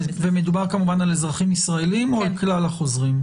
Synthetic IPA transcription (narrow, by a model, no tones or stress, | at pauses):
vemedubaʁkamuvanalezʁaχimisʁae̞limoalklalhaχo̞zʁim